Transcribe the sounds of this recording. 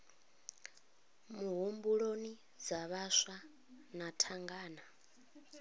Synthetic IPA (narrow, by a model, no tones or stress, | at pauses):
muɦumbuɺoni | d͡zaβaʃa | natʰaŋɡaːna